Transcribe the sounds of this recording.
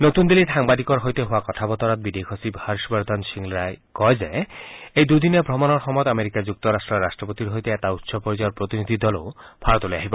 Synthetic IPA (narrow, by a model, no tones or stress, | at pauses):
not̪und̪iliʈʰaŋbad̪ikɔɾɦojt̪eɦoakɔt̪ʰabɔt̪ɔɾat̪̚bid̪ekʰosibhaɾʃbɔɾd̪ʱanʃiŋɾaekɔed͡ʑaeejd̪ujd̪inebʱɾomɔnɔɾxɔmɔjd̪ameɾikad͡ʑuk̚t̪ɔɾasʈɾɔːasʈɾɔpot̪iɾɦojt̪eɛt̪aut̪ʃʰɔpoɾid͡ʑɔjɔɾpɾot̪inid̪ʱid̪ɔlo̰bʰaɾɔt̪ɦolejaɦibɔ